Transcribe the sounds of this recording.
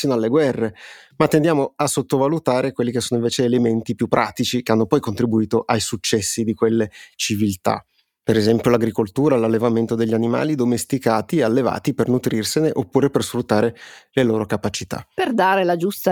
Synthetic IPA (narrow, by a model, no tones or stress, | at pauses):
siːnoalːeɡwɛrːemat̪ːend̪jaːmoasːot̪ːovalut̪aːɾekwelːikesoːnoiɱveːt͡ʃeːlement̪ipjupːɾʔaːt̪it͡ʃikeanːopɔjkont̪ɾibuiːt̪oʔajsut͡ʃːɛsːid̪ikwelːet͡ʃivilt̪a̰ | peɾezɛmpjolaɡɾikolt̪uːɾalalːevament̪od̪eʎːianima̰ːlid̪omest̪ikaːt̪iealːeva̰ːt̪ipernut̪ɾirseneʔopːuːɾepersfɾut̪ːaːɾeleloːɾokapat͡ʃit̪a̰perd̪aːɾelad͡ʒust̪a